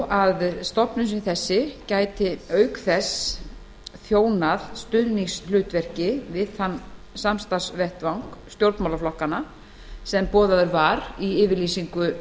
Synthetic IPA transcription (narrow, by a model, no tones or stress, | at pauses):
aðst̪ɔhpnʏsnθɛsːɪcaːjt̪ɪœːɥkθɛs | θjoːwnaðst̪ʏɾniŋslʏːt̪vɛr̥cɪvɪðanː | samst̪asvɛht̪vawŋkst̪jowɾt̪mawlaflɔhkana | sɛmpɔːðaðʏɾvaɾiɪːvɪɾliːsiŋkʏ